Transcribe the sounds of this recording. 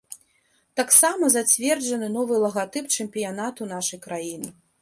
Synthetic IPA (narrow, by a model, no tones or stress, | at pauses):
t̪aksamɐzat͡sʲvʲɛrd͡ʐɐnɨnɔvɨlˠɐɣat̪ɨpt͡ʂɨmʲpʲijanat̪unaʂɐjkɾajinɨ